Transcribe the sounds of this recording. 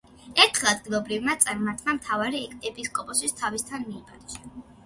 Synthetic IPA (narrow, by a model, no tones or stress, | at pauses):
ɛɾt̪ʰχɛad̪ɡilˠɔbɾivmat̪sʼaɾmaɾt̪ʰmamt̪ʰavaɾiɛkʰʼt̪ʼɛpiskʼɔpʼɔsist̪ʰavist̪ʰanmiːbʰʼad̪ɛ̥ʃa